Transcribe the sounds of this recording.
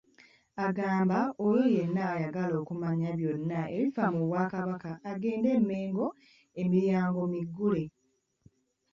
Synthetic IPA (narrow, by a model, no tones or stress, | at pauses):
aɡaːmbaojoje̞nːaːjaɡalo̞ːkumaɲaβjo̞nːaḛɾifamuβwaːkaβakaːɡe̞ːnde̞mːe̞ːŋɡo̞ | emiɾjaːŋɡo̞miɡːule̞